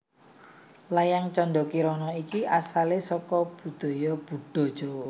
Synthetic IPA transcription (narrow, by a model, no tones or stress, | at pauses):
lajaŋt͡ʃɔnɖɔkiɾɔnɔikiʔasalesɔkɔb̥ṳd̪̥ɔ̤jɔb̥ṳɖ̥ɔ̤̥ʒ̥owɔ